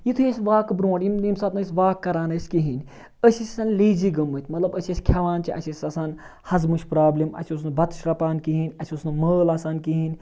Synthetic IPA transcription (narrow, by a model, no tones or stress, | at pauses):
jit̪ʰujesʲʋaːkbɾõːɽjimimsɐːt̪nɐsʲʋaːkːɐɾaːnɐsʲkiɦinʲ | əsisʲsɐːnliːd͡ʒiɡɐmːɨt̪ʰʲmɐt̪lɐbəsʲisʲkʲʰɐʋaːnt͡ʃiʔɐ̰t͡ʃʰisʲɐsaːn | hɐzmuʃʲpɾaːblʲimɐ̰t͡ʃʰus̬nɨbɐt̪ʃɾɐpaːnkiɦinʲɐt͡ʃʰʲusnɨməːlɐsaːnkiɦinʲ